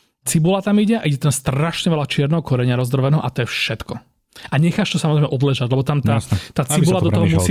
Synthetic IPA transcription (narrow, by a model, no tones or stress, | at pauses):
t͡sibulat̪amiɟɛa̰ʔiɟɛt̪amst̪raʃɲɛʋɛlat͡ʃɪɛɾnɛɦɔkɔɾɛɲɪaɾɔzd̪ɾɔʋɛnɛɦɔ̰ʔat̪ɔjɛfʃɛt̪kɔ | ʔaɲɛxaʃt̪ɔsamɔzɾɛɪmɛʔɔd̪lɛʒaɟlɛbɔt̪amt̪aːt̪aːt͡sibulad̪ɔt̪ɔɦɔmusi